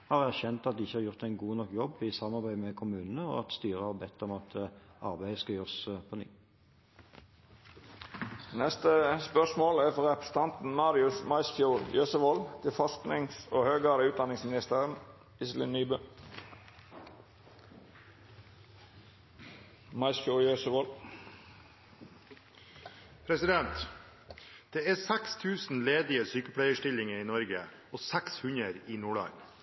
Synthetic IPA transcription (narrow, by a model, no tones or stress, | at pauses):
hɑːʁææʁçɛnt̪ɑt̪̚d̪ɪːɪçːəhɑːʁjʊʁt̪æɪnɡuːnɔkːjɔbɪsɑmːɑʁbæɪmɛkʰʊmʉːnnəɔ̰ːɑt̪st̪yːʁəhɑːʁbɛt̪ːɔmɑt̪ʰɑʁbæɪəskɑjøːʁspʰɔnyː | nɛst̪əspœsmoːlæfɔʁɛpɾə̥sə̥t̪ʰɑnt̪n̩mɑːɾɪʉsmɑɪsfjuːɾjøːsəʋɔlt̪ʰɪlfɑsknɪŋsoːhøːɡɑːd̪əʉːt̪̚d̪ɑnɪŋsmɪnɪst̪əɾən | ɪslɪ̰nnyːbə | mɑɪskjujøsəʋɔl | pʰɾɛsɪd̪ɛnt̪ | d̪̥eːæːsækst̪ʰʉːsn̩leːd̪ɪəsyːkəpʰɽæɪəʂʈɪlɪŋəɾiːnɔɾɡə̰ | oːsækshʉɲəɾiːnuːɭɑ̰ːɡ̪